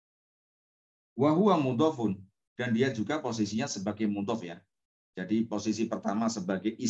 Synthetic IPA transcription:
waɦuamud̪ɔfʊn | d̥andiad͡ʒuɡapos̬isiɲasəbaɡajmud̪ɔfja̰ | d͡ʒadiposisipərt̪amasəbaɡajʔi

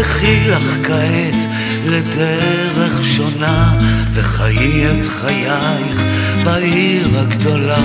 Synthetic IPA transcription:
eχilaχkaet̪ | led̪ɛ | ʁeχʃo̞naveχajietχaja | jχ | baʔiʁaɡd̪o̞la

